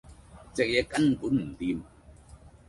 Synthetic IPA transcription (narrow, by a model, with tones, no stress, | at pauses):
t͡sɛ˨k̚jɛ˧˥ka˧˥npu˨˦˥nm̩˨˩˨t̪i˧m